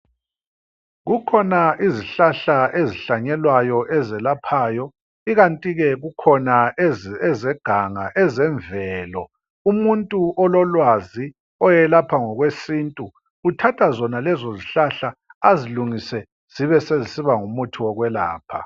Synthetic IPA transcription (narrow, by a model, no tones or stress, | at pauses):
ɣukʰɔnaʔiziɬaɬaʔeziɬaɲɛlwajɔʔɛzɛlapʰaːjɔ | iɣantʼiɣɛɣukʰɔnaɛɛzɛɡ̥ʱaŋaʔɛzɛɱvɛːlɔ | umuntʼuʔɔlɔlwazi | ɔjɛlapʰaŋɔɣwesintʼu | utʰatʰazɔnalɛzoziɬaɬaaziluŋisɛ | z̥iβɛsezisiβaŋumutʰiwɔɣwɛla̰ːpʰa̰